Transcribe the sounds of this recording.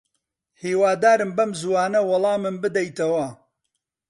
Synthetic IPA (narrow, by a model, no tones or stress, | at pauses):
hiːwaːd̪aːɾɨmbɐmzuwaːnɐwɑlˠɑːmɨmbɨd̪ɐjt̪ɐwɐ